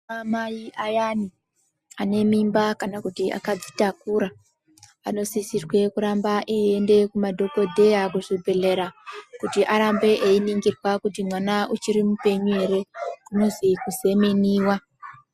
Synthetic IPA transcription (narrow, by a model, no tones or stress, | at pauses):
mamaiʔajani | ane̞mimbakanakutiʔa̰kad͡zitakuɾa | ano̞sisirwe̞kuɾambaʔiende̞kumadʱo̞po̞dʱe̞jakuʐibʱeɮe̞ɾakutiʔaɾambe̞ʔeiniŋɡirwakutimwanaut͡ʃiɾimupe̞ɲue̞ɾe̞kuno̞zikuze̞meniːwa